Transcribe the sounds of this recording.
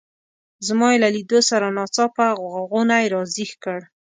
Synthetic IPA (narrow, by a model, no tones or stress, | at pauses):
zmɑelalid̪osaɾanɑt͡sɑpaɣɣaɣonajɾɑzixkəɽ